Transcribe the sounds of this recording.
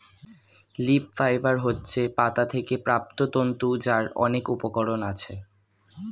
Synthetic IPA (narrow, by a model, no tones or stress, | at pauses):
lipfajbaɾɦotːɕʰepat̪at̪ʰekepɾap̚t̪ot̪ont̪ud͡ʑaɾɔ̰nekupokoɾonat͡ɕʰe